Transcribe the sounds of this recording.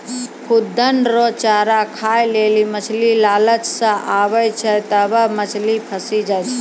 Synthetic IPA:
kʰʊd̪ənɾot͡ʃaːɾakʰaːjleːlimət͡ʃʰlilaːlət͡ʃsãʔaːʋəjt͡ʃʰət̪əbəmət͡ʃʰlipʰəsid͡ʒaːjt͡ʃʰ

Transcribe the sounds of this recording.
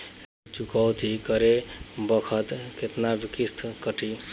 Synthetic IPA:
t͡ʃukawt̪ikəɾebəkʰət̪ket̪nabikist̪ʰkəʈi

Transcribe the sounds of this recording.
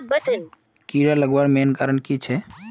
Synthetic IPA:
bəʈən | kiɾaləɡwaɾmenkaːɾəɳkit͡ʃʰɛ

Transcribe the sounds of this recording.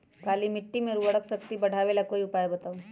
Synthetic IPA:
kaːlimɪʈːimẽɾuʋɐɽəksɐkt̪ibɐɽ̤ʱaːʋelakoːiʊpaːjebɐt̪aːũ

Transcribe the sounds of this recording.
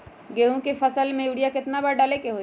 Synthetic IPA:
ɡeːɦũkefʰɐsəlmẽjuːɽijakɪt̪nabəɽɖaːlekeɦo

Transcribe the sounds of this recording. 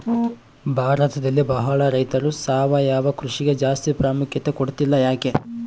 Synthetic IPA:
bʱaːɾɐt̪ɐd̪ɐlːibɐɦɐɭɐɾɐjt̪ɐɾusaːʋɐjaːʋɐkɾuʂiɡe̞d͡ʒaːst̪ipɾaːmukʰjɐt̪e̞koɽt̪ilːɐjaːke̞

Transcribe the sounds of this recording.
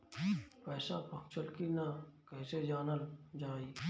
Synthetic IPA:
pɛːsapəkt͡ʃəlkinakɛːsed͡ʒaːnəld͡ʒaːiː

